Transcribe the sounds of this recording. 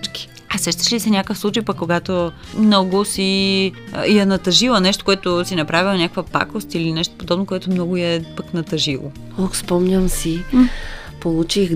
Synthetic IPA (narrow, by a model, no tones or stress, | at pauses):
t͡ʃki̥ | ɐsɛʃt̪ə̥ʃlisɛnʲakəfslˠut͡ʃəjpɐkːoɡat̪o | mnɔɡʊsi | jɛnɐt̪ɐʒilˠənɛʃt̪o̥koɛt̪osinɐpɾavilˠɐnʲakəkvəpa̰kost̪ilinɛʃt̪o̥pod̪ɔbnokoɛt̪omnɔɡʊjɛpəknɐt̪ɐʒilˠo̰ | oxspɔmɲʲəmsi | polˠut͡ʃix